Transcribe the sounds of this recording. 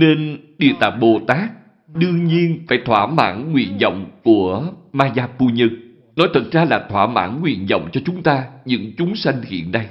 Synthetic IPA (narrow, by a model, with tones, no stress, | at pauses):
ne˧nɗi˨˩ət̪aː˨˩jɓo˨˩t̪aː˦˥k̚ | ɗɨ˧əŋɲi˧ənfaː˧˩jt̪ʰwaː˧˩ma̰ː˧˩nːwḭ˧˨ənzɔ̰˧˨wŋ͡mku˧˩əmaː˧zaː˧pu˧ɲɨ˧ŋ | nɔ˨˦jt̪ʰə˨˩t̚zaː˧laː˨˩t̪ʰwaː˧˩ma̰ː˧˩nŋwḭ˧˨ənzə̰˧˨wŋ͡mt͡ɕɔ˧t͡ɕʊ˨˦ŋ͡mt̪aː˧ɲɨ̰˧˥ŋt͡ɕʊ˨˦ŋ͡msa˧jŋ̟hḭ˧˨ənːa˧j